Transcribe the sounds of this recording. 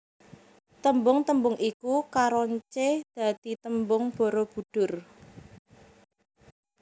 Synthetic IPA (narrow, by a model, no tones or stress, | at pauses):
t̪əmbʊŋt̪əmbʊŋʔikukaɾɔɲt͡ʃed̪̥ä̤d̪̥i̤t̪əmbʊŋb̥o̤ɾob̥ṳɖ̪̥ʊ̤r